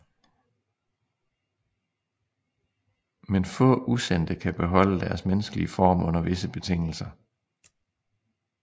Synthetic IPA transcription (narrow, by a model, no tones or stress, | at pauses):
menfɔ̰ːʔusen̰d̥əkʰæb̥e̝ɦɒ̽l̰əd̥æɐsmenəsɡ̥əliəfɒ̰ːmɔ̽n̰ɐʋe̝səb̥e̝t͡sʰe̝ŋ̰l̩sɐ